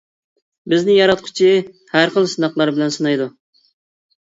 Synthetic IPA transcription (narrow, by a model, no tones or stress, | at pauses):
bɪznɪjɑɾɑt̪̚qʰʊ̥t͡ʃʰi | hæɾχəlˠsɨnɑχlˠɑɾbɪlɛnsɨnɑjd̪u